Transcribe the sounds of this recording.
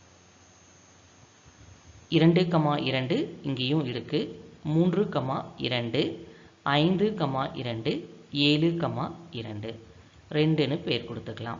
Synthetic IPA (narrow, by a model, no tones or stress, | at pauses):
ɪɾɐɳɖɯkɐmaːʔɪɾɐɳɖɯɪŋɡejʊ̃ɪɽɯkːɯmuːndrɯkɐmaːɪ̰ɾɐɳɖɯɐɪnd̪ɯkɐmaːʔɪ̰ɾɐɳɖɯeːlɯkɐmaːɪɾɐɳɖɯ | ɾɛɳɖɯnːɯpeːɾkɔɽɯt̪ːɯkːɐɭa̰ːm